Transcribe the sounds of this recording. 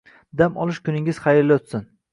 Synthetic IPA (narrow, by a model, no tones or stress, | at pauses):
d̪amɒ̰lˠɪʃkʰʊnɪŋʲɪz̥χɑjɪɾlːɪʊt̪sɪn